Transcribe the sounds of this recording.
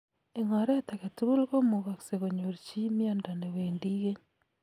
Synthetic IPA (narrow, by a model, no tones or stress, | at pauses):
eŋaɾetaketuβulɣomoɣakseɣoɲoɾt͡ʃimjandaneweːndiɣe